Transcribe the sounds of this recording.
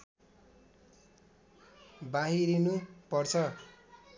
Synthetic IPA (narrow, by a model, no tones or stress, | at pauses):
baɦiɾinupʌrt͡sʰʌ